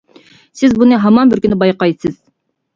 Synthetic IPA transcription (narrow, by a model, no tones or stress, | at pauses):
sɪzbunɨɦɑmɑnbɪɾkʲynɪbɑjqɑjd̪ɨsɪz̥